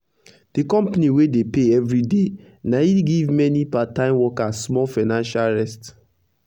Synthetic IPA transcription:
d̥ikɔ̃mpaniwedepeɛvɹide | naiɡivmɛnipatãɪ̃mwɔkasmɔlfaɪnãnʃalɹɛst

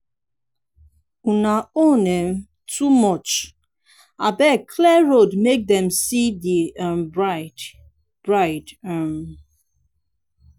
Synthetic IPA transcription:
unaonem̩ | tʰumɔt͡ʃ | a̰bɛkʰlɛɹodmek̚dɛ̃msidiambɹaɪt | b̥ɹaɪtam

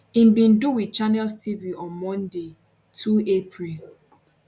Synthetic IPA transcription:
ĩmbĩnduwit͡ʃanɛlstʰiviʔɔ̃nmɔ̃nde | tʰuepʰɹil

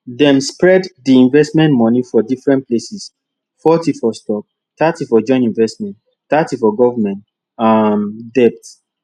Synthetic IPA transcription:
dɛ̃mspɹɛddiĩnvɛstmɛ̃ntmɔnifɔdifɹɛ̃nplesis | fɔtifɔstɔp̚ | tatifɔd͡ʒɔ̃ɪ̃nĩnvɛstmɛ̃nt | tatifɔɡɔvamɛ̃nt | amdɛp̚t

